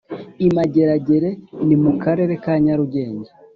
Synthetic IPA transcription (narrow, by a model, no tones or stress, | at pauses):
imaɟe̞ɾaɟe̞ɾe̞nimukaɾe̞ɾe̞kaɲaɾuɟe̞ːɲɟa